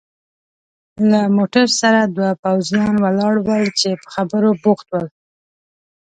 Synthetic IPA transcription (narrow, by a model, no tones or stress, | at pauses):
lamoʈaɾsaɾad̪wapawzjɑnwalɑɽwəlt͡ʃepə̥xabəɾobuxt̪wəl